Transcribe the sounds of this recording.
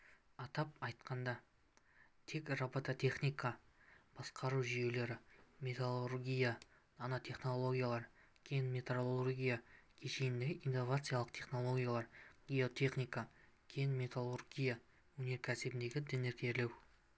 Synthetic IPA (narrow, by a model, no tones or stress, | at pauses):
ɑt̪ɑp̚ɑjt̪qɑnd̪ɑ | t̪ʰe̞krobot̪ot̪ʰʲe̞χnʲijkab̥ɑsqʰɑɾuʒije̞le̞ɾɪmʲe̞t̪alˠurɡʲijananat̪ʲʰe̞χno̞lˠo̞ɡʲijalˠɑɾ | kʲʰejnmʲe̞t̪olˠurɡʲijakʲʰeʃe̞jɪnd̪eʔinːo̞vat̪sɨjalˠəq̚t̪ʰe̞χno̞lˠo̞ɡʲijalˠɑɾɡʲijo̞t̪ʲʰe̞χnijkakʲʰejɪnmʲe̞t̪alˠurɡʲija | wɵne̞ɾkʲʰæsɪbɪnd̪e̞ɡʲɪd̪ɪne̞ɾkʲʰeɾle̞w